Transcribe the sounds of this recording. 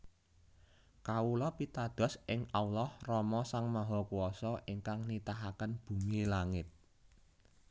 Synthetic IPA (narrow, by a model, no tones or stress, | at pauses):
kaulɔpit̪ad̪̥ɔ̤sʔɪŋawlɔhrɔmɔsaŋmaɦɔkuwɔsɔʔiŋkaŋnit̪aɦakənb̥ṳmilaŋɪt̪̚